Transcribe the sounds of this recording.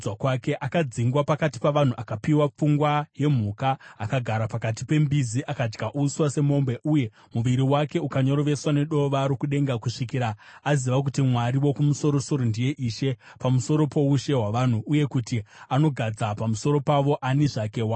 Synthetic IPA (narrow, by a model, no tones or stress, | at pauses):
wakwake̞ʔakad͡ziŋɡwapakati̥paʋan̤uʔakapiwap͡fuŋɡwaje̞m̤ukaːkaɡʱaɾapakat̬ipe̞mbiziʔakad͡ʒɡaʔuːswase̞mo̞mbe̞ʔuje̞ | muʋiɾiwake̞ukaɲo̞ɾoʋe̞swane̞ɗo̞ʋaɾokuɗe̞ŋɡakuʂikiːɾaaziʋak̬utimwaɾiwo̞kumuso̞ɾo̞so̞ɾondije̞ʔiʃe̞ | pamuso̞ɾo̞po̞uʃe̞ɦwaʋan̤uuje̞kutiano̞ɡʱad͡zapamuso̞ɾo̞paʋo̞ʔaniʐakewa